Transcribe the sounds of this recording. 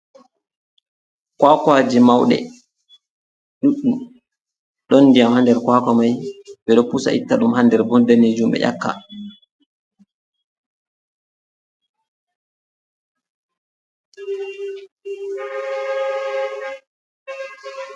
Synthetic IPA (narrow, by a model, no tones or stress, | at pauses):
kwakwad͡ʒimawɗɛ̰ | ɗuɗːum | ɗɔnːdijamhandɛɾkwakɔmajɓɛɗɔpusa̰ʔitːaɗumhandɛɾbɔndaneːd͡ʒumɓɛ̰ʔa̰kːa̰